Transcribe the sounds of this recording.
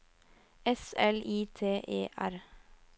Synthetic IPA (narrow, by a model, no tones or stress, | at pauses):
ɛsɛlʔiːt̪ʰeːʔeːʔæɾ